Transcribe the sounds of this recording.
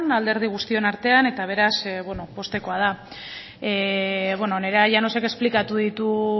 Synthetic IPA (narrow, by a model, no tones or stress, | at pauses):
nald̪e̞ɾð̞iɣ̞ust̪io̞naɾt̪e̞ane̞t̪aβ̞e̞ɾasβweno̞po̞st̪e̞ko̞að̞a | eβwenoneɾaʝanose̞ke̞splikat̪uð̞it̪u